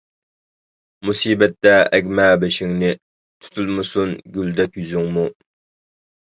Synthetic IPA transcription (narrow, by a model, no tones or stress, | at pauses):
musiːbɛt̪ːɛɛɡʲmɛbɛʃɪŋnɪ | t̪ʰu̥t̪ʰulˠmɨsunɡʲyld̪ɛkʲjyzyŋmu